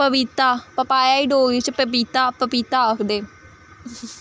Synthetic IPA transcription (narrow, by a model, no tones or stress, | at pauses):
pəbɪt̪aːpəpaːjaːiːɖoːɡiːt͡ʃpəpit̪aːpəpit̪aːəkʰd̪eː